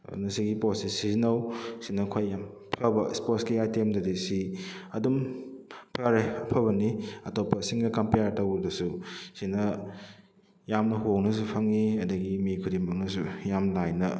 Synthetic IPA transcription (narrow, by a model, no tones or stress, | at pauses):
nɐsiɡipotsisizinɐwsinɐkʰojːam | pʰɐbɐsposkiajtemdɐdisiɐdum | pʰaɾeɐpʰɐbɐniɐtopːɐsiŋnɐkɐmpejaɾtɐwbɐsusinɐ | jamnɐɦownɐs̬upʰaŋiɐdɐɡimikʰudimɐk̚nɐsujamlajnɐ